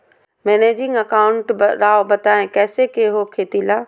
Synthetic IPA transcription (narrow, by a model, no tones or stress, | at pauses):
mɛːneːd͡ʑɪ̃ŋɡɐkaːʊ̃ɳʈɾaːobɐt̪aːẽkɛːsekeɦokʰeːt̪ilaː